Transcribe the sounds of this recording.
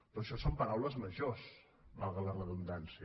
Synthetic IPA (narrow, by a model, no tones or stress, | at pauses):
p̪oʃɔsompəɾawləzməʒos | balˠɣələrəβund̪ansiə